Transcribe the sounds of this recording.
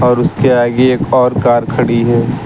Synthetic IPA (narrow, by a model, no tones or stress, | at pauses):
ɔːɾʊskeaːɡeeːkɔːɾkaːɾkʰɐɽiɦɛː